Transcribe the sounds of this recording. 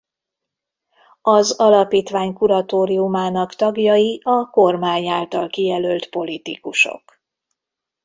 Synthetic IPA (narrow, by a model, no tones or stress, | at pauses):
ɒzɒlɒpiːt̪ʋaːɲkuɾɒt̪oːɾiumaːnɒkt̪ɒɡjɒjiɒko̞rmaːɲaːlt̪ɒlkijɛlølt̪po̞lit̪ikuʃo̰k